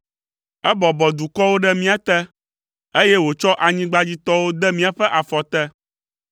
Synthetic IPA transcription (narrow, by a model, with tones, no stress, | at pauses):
ɛ˦bɔ˨bɔ˨d̪u˨kɔ˦wo˦ɖɛ˦mĩ˦a˨t̪ɛ˦ | e˦jɛ˦wo˨t͡ʃɔ˦ʔa˨ɲĩ˦ɡ͡ba˦d͡ʑi˦t̪ɔ˦wo˦d̪ɛ˦mĩ˦a˨ɸɛ˦ʔa˨fɔ˨t̪ɛ˦